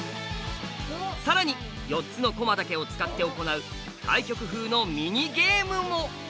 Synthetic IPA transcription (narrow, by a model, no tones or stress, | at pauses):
saɾaɲ̟i | jo̞tt͡sɨnoko̞mad̪ake̞o̞t͡sɨ̥kat̪ːe̞o̞ko̞naɯ̟ | t̪ʰa̰ikʲo̞kɯ̟ɦɯ̟ːno̞mʲiɲ̟iɡe̞ːmɯ̟mo̞